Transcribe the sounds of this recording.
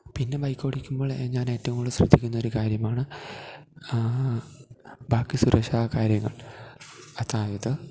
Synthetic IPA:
pinːe̞bɐjkʲːo̞ːɽikʲːumboːɭeɲaːne̞ːtːɐʋumuɭːɨɕrɨ̰d̪ʱːikʲːunːɐo̞ɾukaːɾjɐmaːɳɨ | baːkːisuɾɐʂaːkaːɾjɐŋːɐ̰ɭ | ɐt̪ʰːaːjɐðɨ

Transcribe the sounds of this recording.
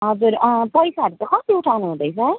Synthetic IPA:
ɦʌd͡zuɾʌpʌjsaʈet̪ʌkʰʌt̪euʈʰawnuɦũd̪ʌjt͡sʰʌ

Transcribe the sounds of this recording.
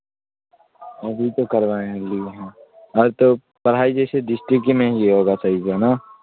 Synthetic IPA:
ɐbʱit̪okɐɾʋaːẽɐɡlieɦɛ̃ː | ɔːɾt̪o | pɐɾ̤ɦaːid͡ʒɛːseɖɪsʈɾɪkmẽɦiɦoːɡasaːɦisɛnaː

